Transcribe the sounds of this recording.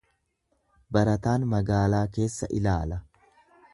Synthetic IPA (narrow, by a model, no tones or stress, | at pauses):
bɐɾɐt̪aːnmɐɡaːlaːke̞ːsːɐ̰ʔɪlaːlɐ